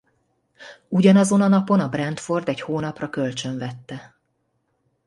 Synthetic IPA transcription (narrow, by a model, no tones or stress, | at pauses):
uɟɒnɒzo̞nɒnɒpo̞nɒbrɛnt̪fo̞rd̪ɛɟhoːnɒprɒkø̞lt͡ʃø̞ɱvɛt̪ːɛ